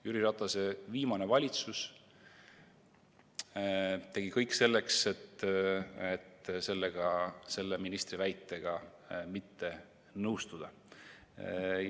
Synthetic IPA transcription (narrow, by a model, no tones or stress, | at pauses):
jyɾiɾɑt̪ːɑse̞viːmɑne̞vɑlʲit̪sus | t̪eɡ̥ikɤjkse̞lːe̞kse̞t̪ː | et̪ːse̞lːeɡ̥ɑse̞lːeminist̪rivæjt̪ːˑe̞ɡ̥ɑ | mit̪ːe̞ | nɤwst̪ud̪̥ɑ